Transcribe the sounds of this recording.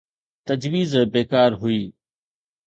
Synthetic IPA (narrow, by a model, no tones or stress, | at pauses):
t̪ɐd͡ʑʋiːzbeːkaːɾɦʊiː